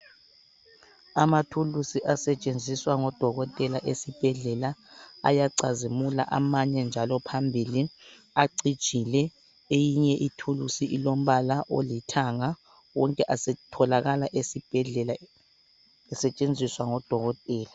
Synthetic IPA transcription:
amatʰulusiʔasɛt͡ʃʼend͡zʱiswaŋɔd̥ʱɔɣɔtʼɛlaʔesib̥ʱɛɮɛlaa̰jaǀazimula̰ʔa̰maɲɛnd͡ʒʱalɔpʰambʱili | aǀid̥ʒ̥ʼʱilɛ | ejiɲɛʔitʰulusiʔilom̩βalaʔolitʰaŋa | wɔŋkʼɛʔasɛtʰɔlaɣalaʔesib̥ʱɛɮɛla | ɛsɛt͡ʃʼend͡zʱiswaŋɔd̥ʱɔɣɔtʼɛːla

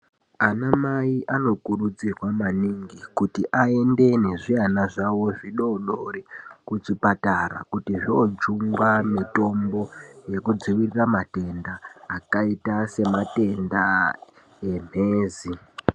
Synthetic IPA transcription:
anamaiʔano̞kurud͡zirwamaniŋɡikutiʔae̞nde̞ne̞ʐianaʐawo̞ʐiɗo̞ɗorikut͡ʂipataɾa̰kutiʐiot͡ʃuŋɡwamito̞mbo̞je̞kud͡ziʋiriramate̞ndaːkaitase̞mate̞nda | em̤e̞ːzi

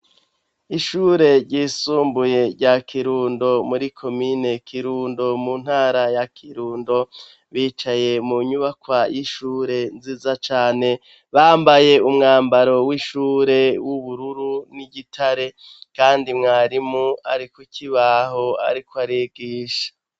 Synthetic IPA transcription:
iʃuːɾe̞ɾɟiːsuːmbuje̞ɾɟakʰiɾuːndo̞muɾikʰo̞mine̞kʰiɾuːndo̞mun̥haːɾajakʰiɾuːndo̞ | βiːt͡ʃaje̞muɲuβakwajiʃuːɾe̞nziːzat͡ʃaːne̞ | βaːmbaje̞umŋaːmbaɾo̞wiʃuːɾe̞wuβuɾuɾuniɟitʰaɾe̞ | kaːndimŋaːɾimuaɾikwucʰiβaɦo̞a̰ɾikoaɾeɡiːʃḁ

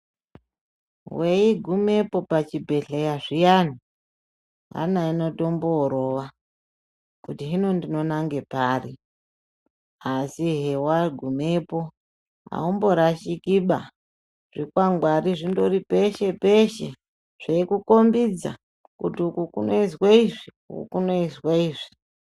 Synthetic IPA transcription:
weiɡʱume̞po̞pat͡ʃibʱe̞ɬejaʐijani | ɦa̰naino̞to̞mboːɾo̞ʋa | kutiɦino̞ndino̞naŋɡe̞paːri | asiɦewaɡʱumepo̞ | ɦa̰umbo̞ɾaʃikiɓa | ʐ̥ikwaŋɡwaɾiʐindo̞ripe̞ʃe̞peʃe | ʐ̥eikuko̞mbid͡za̰ | kutiukukunoisweiʐi | ṵkuno̞iswaiːʐi̥

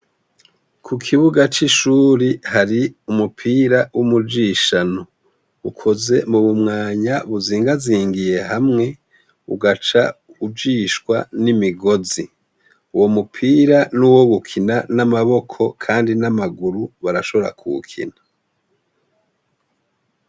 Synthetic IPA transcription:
kʰukʰiβuɡat͡ʃiʃuːɾihaɾiumupʰiːɾawumud͡ʒiʃano | ukʰo̞ze̞muβumŋaːɲaβuziːŋɡaziːŋɡije̞ɦamŋe̞ | uɡat͡ʃa̰ubd͡ʒiːʃkwa̰nimiɡo̞zi | uwo̞mupʰiːɾanuwo̞ɡukʰinanamaβo̞kʰo̞kʰaːndinamaɡuɾuβaɾaʃo̞βo̞ɾa̰kʰṵkʰḭna

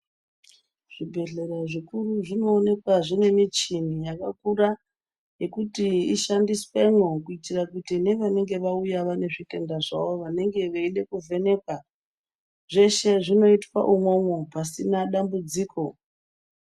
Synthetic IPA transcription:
ʐ̥ibʱe̞ɮe̞ɾaʐikuɾuʐino̞ːne̞kwaʐine̞mit͡ʃinijakakura | je̞kutiiʃandiswemwokuitirakutineʋane̞ŋɡe̞ʋaujaʋane̞ʐike̞ndaʐa̰ʋo̞ʋane̞ŋɡe̞ʋaiɗe̞kuve̞ne̞kwa | ʐe̞ʃe̞ʐino̞itwa̰ʔumwo̞mwopasinaɗambud͡ziːkʰo̞

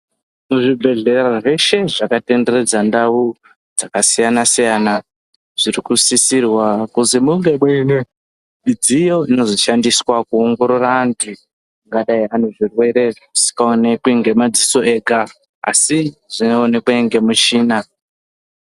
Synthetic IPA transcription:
nuʐibʱe̞ɮe̞raʐe̞ʃe̞ʐakate̞nde̞re̞d͡zandau | d͡zakasijanasijana | ʐ̥irikusisirwakuzimuŋɡe̞ɓwene | mid͡zijo̞ino̞zoʃandiswakuoŋɡo̞ɾo̞raːntʰu | ŋɡaɗaianoʐirwe̞ɾe̞ʐku̥si̥kaone̞kuiŋɡe̞mad͡ziso̞ʔe̞ka | a̰siʐinoːnekueŋɡe̞mut͡ʃiːna

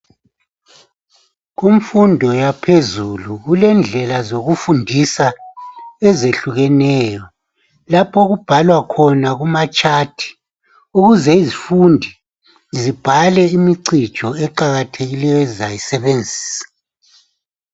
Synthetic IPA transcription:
ɣumfundʱɔjapʰezuluɣulɛnd͡ɮʱɛlazoɣufundʱisa | ɛzeɬuɣɛnɛːjɔ | lapʰɔɣub̥ʱalwakʰɔnaɣumat͡ʃʼaːtʰi̥ | uɣuzɛizifundʱi | zib̥ʱalɛimiǀi̥t͡ʃʼɔɛǃaɣatʰeɣilɛjɔzajisɛβend͡zʱi̥ːsḁ

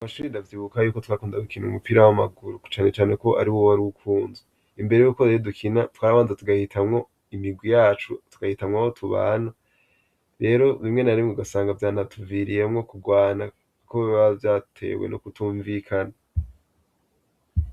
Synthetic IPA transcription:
amaʃuːɾindavjiːβukajuːko̞tkwakuːndadukinumupiɾawamaɡuɾut͡ʃaːne̞t͡ʃaːne̞ko̞ʔa̰ɾiwowaɾuukʰuːnze | imbe̞ɾe̞juːkoɾejodukʰinatwaːɾaβaːnzatuɡahitʰamŋo̞ | imiɡwijaːt͡ʃutu̥ɡ̥ahitamŋaho̞tʰuβa̰ːna | ɾe̞ːɾo̞βimŋe̞naɾimŋeɡasaːŋɡavjaːnatʰuviɾijemŋo̞kuɡwaːna | koβavjaːtʰe̞̰wḛnokutuːɱvikʰana

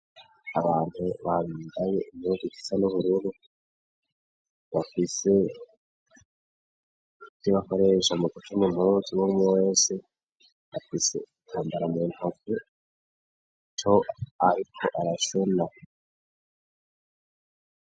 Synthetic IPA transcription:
aβaːn̥huβaβiːndaje̞imuɡiki̥sanuβuɾuɾu | βafise̞ | tiβako̞ɾe̞ːʃamukutumun̥oziwumwweːse | βafisḛ | aːmbaɾamun̥oku | t͡ʃoaɾikʰo̞ʔaɾaʃuna

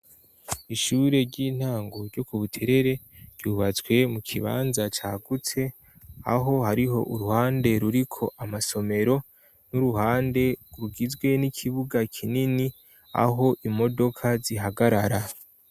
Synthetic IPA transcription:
iʃuːɾe̞ɟiːn̥haːŋɡo̞ɾɟo̞kuβutʰe̞ɾe̞ɾe̞ | ɾɟuːβat͡sɡwe̞mukʰiβa̰ːnzat͡ʃaːɡut͡se̞ | a̰ɦo̞haɾiɦo̞ʔuɾuhaːnde̞ɾuɾikʰo̞ʔamaso̞me̞ɾo̞ | nuɾuhaːnde̞ɡuɾuɡizɡwe̞nikʰiβuɡakʰinini | a̰ɦo̞ʔimo̞do̞kʰaziɦaɡaɾaɾa

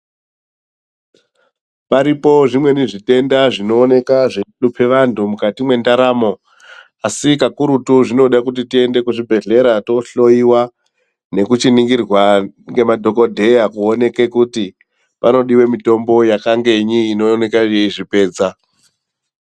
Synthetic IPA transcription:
paɾipo̞ʐimwe̞niʐite̞ndaʐino̞ːne̞kaʐeupʰe̞ʋantʰumukatimwe̞ndaɾaːmo̞ | asikakuɾutuʐino̞ɗakut̬itie̞nde̞kuʐibʱe̞ɮe̞ɾato̞ɬo̞jiwa | ne̞kut͡ʃiniŋɡirwaŋɡe̞madʱo̞ko̞dʱe̞jakuone̞ke̞kuti | pano̞ɗiwe̞mito̞mbo̞jakaŋɡe̞ɲiːno̞ne̞kaʐe̞iʐipe̞ːd͡za

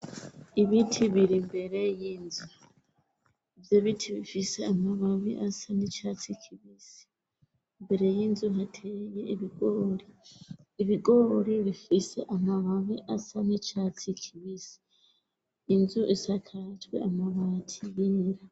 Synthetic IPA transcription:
iβitʰiβiɾimbe̞ɾe̞jinzu | ivjoβitʰiβifiseamaβaβiʔasanit͡ʃat͡sikʰiβisi̥ | imbe̞ɾe̞jinzuɦatʰejeʔiβiɡoɾiː | βiɡoɾiβifiseʔamaβaβiʔasanit͡ʃaːt͡sikʰiβisi̥ː | nzuʔisakʰatwḛamaβatʰijeɾa

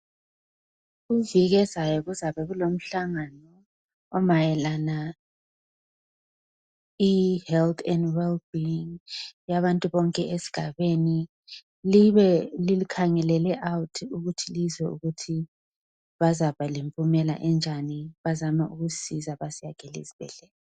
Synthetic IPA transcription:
ɣuviɣɛzajɔɣuzaβɛɣulom̩ɬaŋanɔː | majɛlana | ihɛlt̪ʰɛndwɛlbiiŋjaβantʼuβɔŋkʼɛʔesi̥ɡ̥ʱaβeni | liβɛlilikʰaŋɛlɛlɛʔawutʰiuɣutʰilizɛṵɣutʰi | βazaβalimpʼumɛla̰ʔɛnd͡ʒʱaniβazamaʔuɣusizaβasijaɡ̥ʱɛlḭziβ̥ɛ̰ɮɛlɛ

